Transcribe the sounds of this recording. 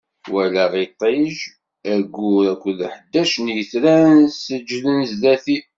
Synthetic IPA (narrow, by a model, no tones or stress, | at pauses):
wælæʁit̪ˤːiʒ | æɡuɾækʷːlħəd̪ːæʃnjəθɾænsəd͡ʒːlənzðæθi